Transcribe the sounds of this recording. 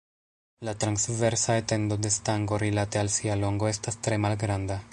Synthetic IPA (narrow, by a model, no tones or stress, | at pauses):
latɾansve̞ɾsaete̞ndo̞de̞staŋɡo̞ɾilate̞alsialo̞ŋɡo̞e̞stastɾe̞malɡɾanda